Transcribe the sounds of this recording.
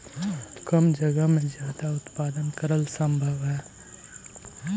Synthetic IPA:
kəmd͡ʒəɡəɦmẽzjaːd̪aʊt̪paːd̪ənkəɾəlsə̃mbʱəʋɦɛː

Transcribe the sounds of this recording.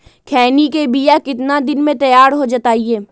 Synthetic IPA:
kʰɛːnikebijakɪt̪nad̪ɪnmẽt̪ɐjaːɾɦod͡ʒɐt̪aːieː

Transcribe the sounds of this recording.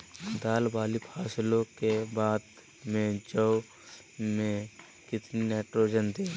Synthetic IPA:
d̪aːlbaːlipʰaːslõkebaːd̪ | mẽd͡ʒəw | mẽ | kɪt̪nineːʈɾoːd͡ʒənd̪eː

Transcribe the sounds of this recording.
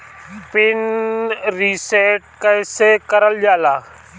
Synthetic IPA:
pɪn | ɾiseːʈ̚kəɪsekəɾəld͡ʒaːlaː

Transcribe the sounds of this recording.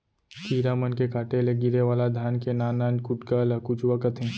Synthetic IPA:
k̪ʰiːɾamənkekaːʈeleɡɪɾeʋaːlad̪ʱjaːnkenaːnaːnkʊʈkalɐkʊt͡ʃʋwakət̪ʰẽː

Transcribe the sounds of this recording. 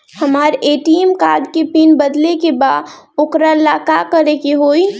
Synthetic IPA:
hɐmaːɾeːʈiemkaːd̪kepiːnbəd̪lekebaːd̪ | ʊkɾalaːkakəɾekiɦoːi

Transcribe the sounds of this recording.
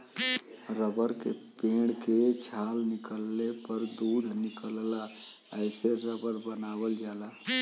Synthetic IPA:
ɾəbəɾkepeɽket͡ʃʰalnikəlːepəɾd̪ud̪ʱnikəlla | əɪseɾəbəɾbənabəld͡ʒala

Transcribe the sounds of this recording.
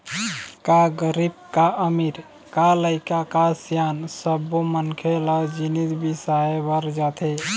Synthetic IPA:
kaɡəɾib̚kaəmiɾ | kaləɪkakasjansəbːomənkʰeləd͡ʒinit̪bisaebəɾd͡ʒat̪ʰe

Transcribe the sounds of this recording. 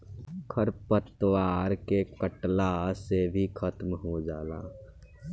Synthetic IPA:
kʰɐɾpət̪waːɾkekəʈlasebʱikʰət̪mɦod͡ʒaːla̰ː

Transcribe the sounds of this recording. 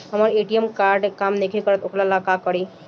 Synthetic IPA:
ɦəməɾeʈiemkaɾɖkamnekʰikəɾət̪okʰlalakakəɾi

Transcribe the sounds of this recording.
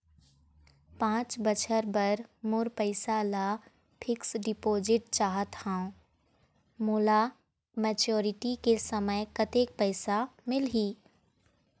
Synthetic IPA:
pãːt͡ʃbət͡ʃʰəɾbəɾmʊɾpəɪsalaː | pʰɪksɖɪpoːzɪʈ̚t͡ʃaːɦət̪hãõ | moːla | mɛːt͡ʃoːɾɪʈikesəməjkɐt̪eːk̚pɛɪsamɪlɦiː

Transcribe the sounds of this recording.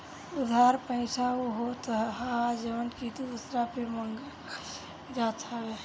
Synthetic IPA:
ʊd̪ʱaɾpəɪt͡ʃʰaoɦot̪ɦad͡ʒəʋənkit̪od̪usɾapeməŋɡ | d͡ʒat̪ʰawe

